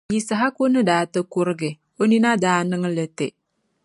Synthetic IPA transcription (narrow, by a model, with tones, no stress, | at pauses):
ji˨sa˨ɦa˦ko˦nɨ˦daː˨tɨ˦ku˦ɾɨ˦ɡɪ˨ | o˦ni˦na˦daː˦nɨ˦ŋ˦lə˨te˨